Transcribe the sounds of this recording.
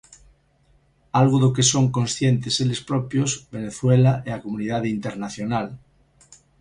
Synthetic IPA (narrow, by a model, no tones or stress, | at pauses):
alɣoðokesoŋkõnsθjent̪eselespɾopjozbeneθwelaeakomũnið̞að̞int̪eɾnaθjonal